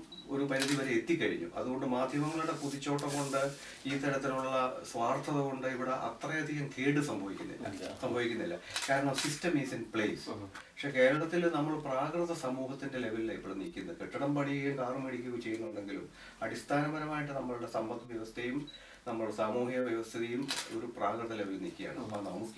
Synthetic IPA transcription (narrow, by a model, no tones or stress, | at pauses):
o̞̰ɾumɐnɐðiʋɐɾeet̪ːikʲːɐɻḭɲːṵɐ̰ðuɣo̞ɳɖɨmaːd̪ʱjɐmɐŋːɐɭuɽe̞puðit͡ɕːo̞ːʈːɐko̞ɳɖɨ | iːt̪ɐɾɐt̪ːiluɭɭːɐsʋaːrt̪ʰɐðɨko̞ɳɖɨiʋiɽeʔɐ̰t̪rɐjɐd̪ʱiɣɐmkʰeːɽɨsɐmbʱɐʋikʲːunːḭlːɐ̰ɐ̰sɐmbʱɐʋikʲːunːḭlːɐ̰kaːɾɐɳɐmsistɐmisinpɭeːspɐkʂeke̞ːɾɐɭɐt̪ːilnɐmːɐɭpraːkrɨðɐsɐmuːɦɐt̪ːinde̞le̞ʋɐlilɐipːoɽenḭkʲːunːɐðɨkeʈːɐɳɐmpɐɳijɐjumkaːrɐmeɽikʲːuɐt͡ɕe̞junːɳɖeŋɡilṵm | ɐɽist̪ʰaːnɐmɐɾɐmaːjiʈːɨnɐmːɐɭuɽe̞sɐmbɐt̪ːʋjɐʋɐst̪ʰejum | nɐmːɐɭsaːmuːhijɐʋjɐʋɐst̪ʰɐðejumo̞̰ɾupraːkrɨðɐle̞ʋɐlnḭːkʲːija̰ːɳɨɐpːonɐmukːɨ